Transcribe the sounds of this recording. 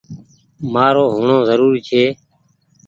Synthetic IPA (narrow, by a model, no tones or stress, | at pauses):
maːɾoːɦʊɳõːzəɾuːɾt͡ʃʰeː